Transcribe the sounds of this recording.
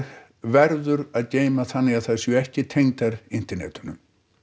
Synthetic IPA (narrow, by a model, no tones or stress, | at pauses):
vɛɾðʏɾaðceːjmaθanːɪaðθaðsjɛɛhcɪt̪ʰejŋt̪aɾɪnt̪ɛɾnɛ̰t̪ʏnʏ̰m